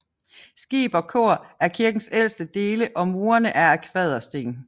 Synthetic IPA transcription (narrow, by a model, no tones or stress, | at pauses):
sɡ̥ḭːb̥ɒ̽kʰo̝ɐ̰ʔæɐkʰiɐɡ̥n̩sel̰sd̥əd̥e̝ːləʔɒ̽muːɐnəʔæɐækʰʋɛð̞ˠɐsd̥e̝̰ːn